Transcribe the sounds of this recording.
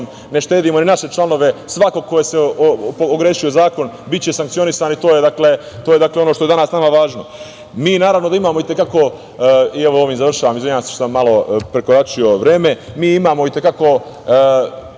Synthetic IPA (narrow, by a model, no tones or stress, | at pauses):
m | ne̞ʃt̪e̞ːd̪iːmo̞ninaʃe̞t͡ʃlˠano̞ʋe̞sʋako̞ɡ̚kːo̞jesepooɡɾe̞ːʃio̞zaːko̞n | bit̪̚t͡ɕe̞saŋkt̪sio̞nisaːnit̪o̞ːjed̪akle | t̪oːjed̪akleonoʃt̪o̞e̞d̪anaːsnamaʋaːʒno̞ | miːnaːɾaʋnod̪aimaːmoit̪e̞kako̞ | ieʋoo̞ːʋiːmzaʋr̩ʃaːʋaːmizʋienasi̥u̥ʃsamːalo̞pɾe̞koɾat͡ʃio̞ʋɾeːmemiːimaːmo̞it̪e̞kako̞